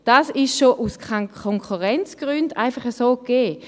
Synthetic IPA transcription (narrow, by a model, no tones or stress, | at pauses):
d̥asɪʃʃoʔuskʰakʰoŋkχuʁɛnt͡sɡ̥ʁynda̰ɪfɑχəsoːkeː